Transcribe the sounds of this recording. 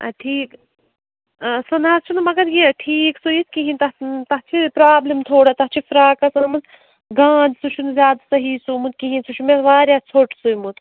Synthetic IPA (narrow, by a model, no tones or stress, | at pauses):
ɐʈʰiːk | sɐnaːst͡ʃʰunmɐɡɐd̪jĩʈʰiːksujit̪kiɦint̪ɐt̪ɐɦt͡ʃʰipɾaːblimt̪ʰoːɽat̪ɐɦt͡ʃʰifɾaːkɐsɐnmɐz | ɡãːnd̪sut͡ʃʰunzʲjaːd̪asɐɦiːsumut̪̚kiɦinsut͡ʃʰumeʋaːɾjaːt͡sʰoʈsujmut̪